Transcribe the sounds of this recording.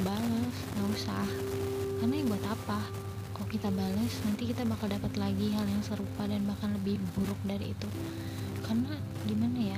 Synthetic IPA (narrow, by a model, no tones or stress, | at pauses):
baləskausa̰hkarnabuat̪apa | kalokit̪abaləsnant̪ikit̪abakaldapat̪laɡiɦaljaŋsəɾupadanbahkanləbɪhbuɾʊk̚daɾḭːt̪u | karna | ɡimanaja